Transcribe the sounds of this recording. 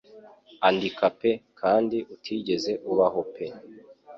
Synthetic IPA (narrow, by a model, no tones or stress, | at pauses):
andikape̞kʰaːndiʔutʰiːɟe̞ze̞ʔuβaɦo̞pʰe̞